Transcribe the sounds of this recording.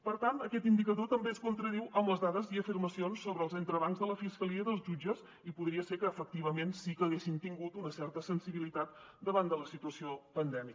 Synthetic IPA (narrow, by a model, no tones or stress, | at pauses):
pəɾt̪ant̪əkɛt̪ind̪ikəðot̪əmbeskunt̪ɾəð̞iwʔəmləzðaðəziəfirməsionsːoβɾəlˠzənt̪ɾəβaŋzðələfiskəliəðəlˠzʒud͡ʒəs | ipuðɾiəseɾkəːfək̚t̪iβ̞əmensikəːɣ̞esint̪iŋɡut̪unəsɛrt̪əsənsiβilit̪at̪̚d̪əβand̪ələsit̪uəsiopənd̪ɛmi